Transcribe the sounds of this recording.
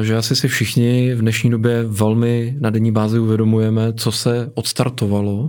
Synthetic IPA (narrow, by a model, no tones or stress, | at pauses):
ʒɛasɪsɪfʃɪxɲɪvdnɛʃɲiːdo̞bjɛvɛlmɪnadɛɲiːbaːzɪuvjɛdo̞mujɛmɛt͡so̞sɛʔot̪st̪aɾt̪ovalo̞